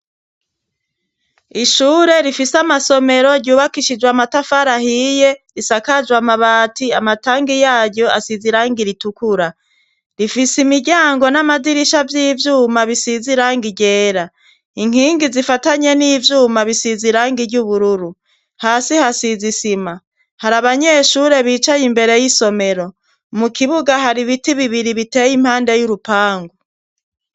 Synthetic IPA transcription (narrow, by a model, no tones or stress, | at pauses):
iʃuːɾe̞ɾifisamaso̞me̞ɾo̞ɾɟuːβakiʃid͡ʒwamatafaɾahijeɾisakad͡ʒwamaβaːtiamataːŋɡijaːɾɟo̞asiziɾaːŋɡiɾitukuɾa | ɾifisimiɟaːŋɡo̞namadiɾiʃavjiːvjuːmaβisiziɾaːŋɡiɟe̞ːɾa | iŋ̥hiːŋɡizifataɲe̞niːvjuːmaβisiziɾaːŋɡiɾɟuβuɾuɾu | haːsihasizisima | haɾaβaɲe̞ʃuɾe̞βiːt͡ʃajimbe̞ɾe̞jiso̞me̞ɾo̞ | mukʰiβuɡaɦaɾiβitiβiβiɾiβite̞ːjim̥haːndejuɾupaːŋɡo